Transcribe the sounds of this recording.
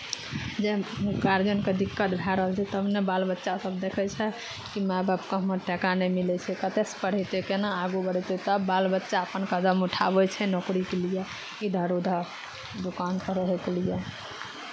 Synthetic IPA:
d͡ʒekaɾd͡ʒənked̪ikːət̪bʱɛɾəɦəlt͡ʃʰɛt̪əbnebalbətːʃasəbd̪ekʰɛt͡ʃʰɛ | kimababkə̃məʈɛkanɛmilɛt͡ʃʰɛkət̪espəɽ̤ɛt̪ekenaaɡubəɽɛt̪et̪əbalbətːʃaəpənkəd̪əmuʈʰa̰bɛt͡ʃʰɛnokɾikelijɛ | id̪ʱəɾod̪ʱa | d̪ukanpəɾəɦɛkelijɛ

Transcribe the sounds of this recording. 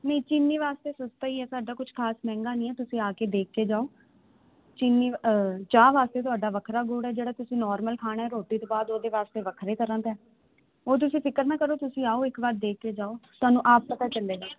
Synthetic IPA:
nəĩt͡ʃɪnːiːʋaːst̪eːsʊst̪aːiːɛːsaːɖaːkʊt͡ʃʰkʰaːsmɛ̃ːŋɡaːnĩːɛːt̪ʊsĩːaːkeːd̪eːkʰkeːd͡ʒaːoː | t͡ʃɪnːiːt͡ʃaːʋaːst̪eːt̪̬ʊaːɖaːʋəkʰɾaːɡuːɽɛːd͡ʒeːɽaːt̪ʊsĩːnɔːɾməlkʰaːɽ̃naːɛːɾoːʈiːt̪õːbaːd̪oːd̪eːʋaːst̪eːʋəkʰɾeːt̪əɾãːt̪ɛː | oːt̪̬ʊsĩːpʰɪkəɾnaːkəɾoːt̪ʊsĩːaːoːɪkbaːɾd̪eːkʰːeːd͡ʒaːoːt̪ʊaːnũːʔaːp̚pət̪aːt͡ʃəleːɡaː

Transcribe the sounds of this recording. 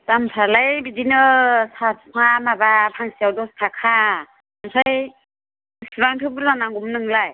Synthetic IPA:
tamsʰalajbidinɯsaŋamabapʰaŋsijawdɔstʰakʰa | amsʰaj | sibaŋtʰɯbɯlanaŋɡumnɯŋlaj

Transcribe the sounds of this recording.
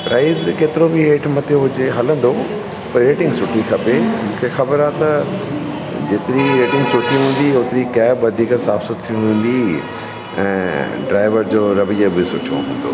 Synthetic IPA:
pɾʔaːɪzkeːt̪ɪɾobɪɦeːʈʰmɐt̪ʰeɦʊd͡ʑeɦɐlə̃nd̪o | pɐɾɾeːʈɪ̃ŋɡsʊʈʰikʰɐpemũːkʰexɐbəɾaːt̪ɐ | d͡ʑeːt̪ɪɾiɾeːʈɪ̃ŋɡsʊʈʰiɦũːn̆d̪ioːt̪ɪɾikɛːbʋɐd̪ʱiːksaːfsot̪ʰiuɦũːn̆d̪i | ɛ̰̃ːɖɾaːɪʋəɾd͡ʑoːɾɐʋijəbɪsʊt͡ɕõ̰ɦũːn̆d̪o̰

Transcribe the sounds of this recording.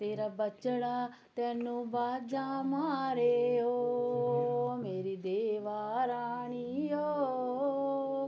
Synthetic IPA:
t̪eːɾaːbət͡ʃɽaː | t̪ɛːnũːbaːd͡ʒaːmaːɾeːoː | meːɾiːd̪eːʋaːɾaːɳiːjoː

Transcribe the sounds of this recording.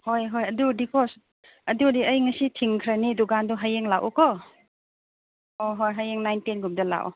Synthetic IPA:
hojɦojɐdudikʰɔs | ɐdudiəjŋɐsitʰiŋkʰɾanidɔɡandɔɦajeŋlawʔɔ̰kɔ | ɔɦojɦajeŋnajnpenɡumdɐla̰wʔɔ̰

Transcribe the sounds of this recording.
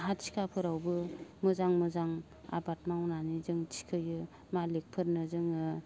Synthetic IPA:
ɦatt͡ʃʰi̥kʰapʰɯɾawbɯmɯzaŋmɯzaŋ | a̰bat̚mawnanizɯŋtʰi̥kʰɯjɯ | malek̚pʰɯɾnɯzɯŋɯ

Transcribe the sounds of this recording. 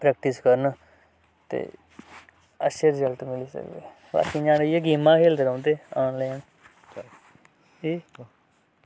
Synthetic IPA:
pɾɛːk̚ʈɪskəɾn | t̪ḛː | ə̰ʃeɾɪzəlʈmɪliːsə̰kd̪ḛː | ba̰ːkĩːd͡ʒãːnejeɡiːmãːkʰeːld̪eɾõːnd̪eːaːnlaːn | iː

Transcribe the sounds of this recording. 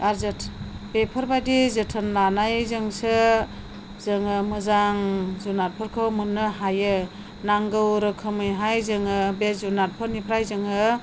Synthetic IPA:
aɾzɯtʰbepʰɯɾbadizɯtʰɯnlanajzɯŋsɯ | zɯŋɯmɯzaŋzunat̚pʰɯɾkʰɯwmɯnːɯɦajɯ | naŋɡɯwɾɯkʰɯmɯjɦajzɯŋɯbezunat̚pʰɯɾnipʰɾajzɯŋɯ

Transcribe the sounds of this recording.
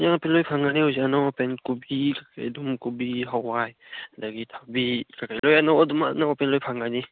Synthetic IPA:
jaŋapelɔjpʰaŋɡaniuzianawapenkubikakʰa̰jdumkubiɦawaj | daɡitʰabikakʰajlɔjanawɔdumanawpenlɔjpʰaŋɡani

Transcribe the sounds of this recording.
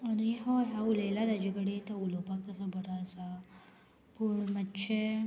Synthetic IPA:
əniɦoɦjaulajlad̪ad͡ʑikəɽet̪əulopakt̪əsabʱəɾaəsa | puɳmətːɕʰe

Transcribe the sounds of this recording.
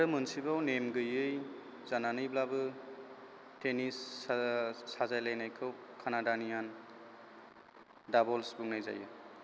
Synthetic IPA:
ɾɯmɯnsibawnemɡɯjɯj | zananɯjblabɯ | tʰenisː | azajlajnajkʰɯwkʰanadanian | dabɔlsbuŋnajza̰jɯ̰

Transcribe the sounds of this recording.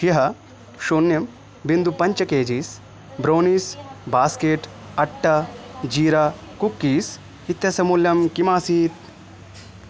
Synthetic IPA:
ɦiɦɐ | ʃoːnjɐm | bind̪upɐɲt͡ʃɐkeːd͡ʒiːs | bɾoːniːsbaːskeːʈ | ɐʈːɐd͡ʒiːɾaː | kukːiːs | it̪jɐsɐmuːljɐmkimaːsiːt̪̚

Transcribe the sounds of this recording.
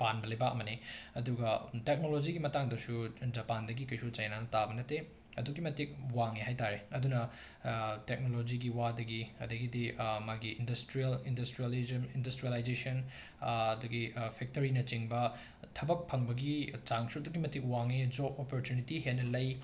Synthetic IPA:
panbɐlɐjbaɐmɐniɐduɡɐtek̚nolod͡ʒiɡimɐtaŋdɐsud͡ʒɐpandɐɡikɐjsut͡ʃɐjnanɐtabɐnɐte | ɐduɡimɐtik̚waŋiɦajtaɾeɐdunɐ | tek̚nolod͡ʒiɡiwadɐɡiɐdɐɡidimaɡiʔːndɐstɾijɐlindɐstɾilimindɐstɾijɐlajd͡ʒesɐn | ɐduɡipʰek̚toɾinɐt͡ʃiŋbɐ | tʰɐbɐk̚pʰɐŋbɐɡit͡ʃaŋsuɐduɡimɐtik̚waŋid͡ʒopopoɾtjunitiɦenːɐlɐj

